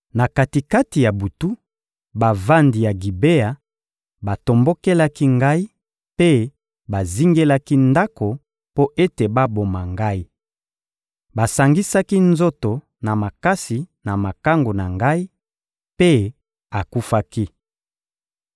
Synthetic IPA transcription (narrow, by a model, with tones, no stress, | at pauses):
na˨ka˨ti˨ka˦ti˨ja˨bu˨tu˦ | ba˨va˦ndi˨ja˨ɡi˨be˦a˨ | ba˨to˨mbo˦ke˦la˦ki˦ŋɡa˦i˦ | pe˦ | ba˨zi˦ŋɡe˦la˦ki˦nda˦ko˨ | po˦ʔe˦te˨ba˦bo˨ma˨ŋɡa˦i˦ | ba˨sa˨ŋɡi˦sa˦ki˦nzo˦to˨ | na˨ma˨ka˦si˨na˨ma˨ka˦ŋɡo˨na˨ŋɡa˦i˦ | pe˦ | a˨ku˦fa˦ki˦